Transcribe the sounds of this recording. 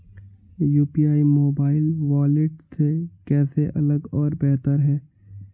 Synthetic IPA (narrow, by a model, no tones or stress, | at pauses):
juːpiaːimoːbaːɪlʋaːlɪʈt̪ʰekɛːseʔɐləɡɔːɾbɛɦt̪əɾɦɛː